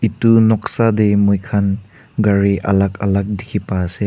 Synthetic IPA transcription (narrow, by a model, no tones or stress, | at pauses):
itunɔk̚sademujkʰan | ɡaɾiʔɐ̰lakɐlak̚dikʰipase